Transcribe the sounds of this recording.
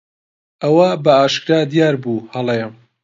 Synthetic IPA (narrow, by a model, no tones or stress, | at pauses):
ʔɐwɐbɐaːʃkɾaːd̪jaːɾbuhɐlˠejɛm